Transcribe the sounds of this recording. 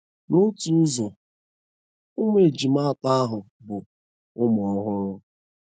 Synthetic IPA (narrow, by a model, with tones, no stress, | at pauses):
no˦tu˨˦zɔ˨ | ʊ˦mʷ˦e˨d͡ʒi˨ma˦a˦˨ta˦a˦ɦʊ˨ | bʊ˨ | ʊ˦mɔ˨˦ɦʊ˦ɾʊ˦